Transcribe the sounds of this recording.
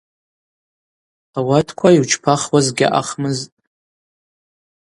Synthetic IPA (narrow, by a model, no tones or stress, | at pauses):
awatʰkʷʰaiwt͡ʃʰpʰaχwazɡʲa̰ʔa̰χmɨztʼ